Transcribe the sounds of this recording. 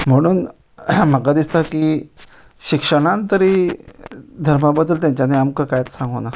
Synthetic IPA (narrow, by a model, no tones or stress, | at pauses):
m̤əɽ̃uːn | m̤əɡad̪ist̪akiː | ɕikʂəɽ̃ãnt̪əɾi | d̪ʱəɾmabəd̪ːəlt̪jaɲt͡ɕaneamkəkajt͡ssãŋɡona